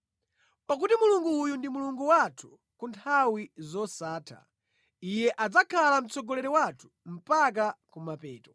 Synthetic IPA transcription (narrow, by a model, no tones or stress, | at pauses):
pak̬utimuluŋɡuːjundimuluŋɡuwatʰu̥ | kuntʰawizɔsaːtʰa̰ | ijɛʔad͡zakʰalam̩t͡sɔɡɔlɛɾɛwatʰu̥ | m̩pak̬akumapɛːtɔ